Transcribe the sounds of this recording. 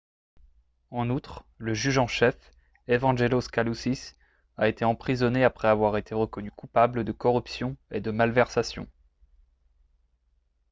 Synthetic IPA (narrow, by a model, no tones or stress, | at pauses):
ɑ̃nut̪χ | ləʒyʒɑ̃ʃɛf | evɑ̃ʒeloskalusis | aet̪ʰeɑ̃pχizɔneapχɛavwaʁet̪ʰeʁəkɔnykupabləd̪əkɔʁypsjɔ̃ed̪əmalvɛʁsasjɔ̰̃